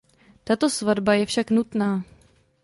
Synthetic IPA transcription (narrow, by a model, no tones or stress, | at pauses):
t̪at̪o̞svadbajɛfʃaknut̪naː